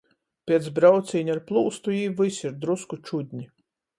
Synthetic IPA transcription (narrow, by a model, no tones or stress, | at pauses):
pʲiɛt̪sbɾawt̪sʲiːɲʲaɾplˠuːst̪ujiːvɨsiɾd̪ɾuskut͡ʃud̪ʲɲʲi